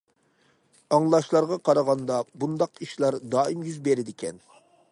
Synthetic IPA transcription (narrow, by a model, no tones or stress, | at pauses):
ɑŋlˠɑʃlˠɑɾʁɑqʰɑɾɑʁɑnd̪ɑbund̪ɑqiʃlˠɑɾd̪ɑːimjyzbeɾɪd̪ɪkʲʰɛn